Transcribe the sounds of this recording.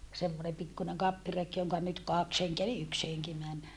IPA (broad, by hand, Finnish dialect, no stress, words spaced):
semːonem pikːuneŋ kɑpːirek joŋkɑ nyt kɑks heŋkeæ eli yks heŋki mæn